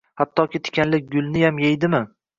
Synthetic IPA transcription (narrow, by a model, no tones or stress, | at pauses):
hat̪ːɒkʲʰɪt̪ʰɪ̥kʲʰanlɪk̚ʲɡʊlˠnɪjamjejd̪ɪmɪ